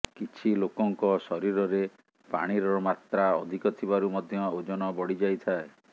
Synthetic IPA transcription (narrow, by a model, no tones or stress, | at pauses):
kit͡ʃʰilokɔŋkɔsɔɾiɾɔɾe | pa̰ɽ̃iɾɔmat̪ɾaɔd̪ʱikɔt̪ʰibaɾumɔd̪ʱjɔod͡ʒɔnɔbɔɽid͡ʒajt̪ʰae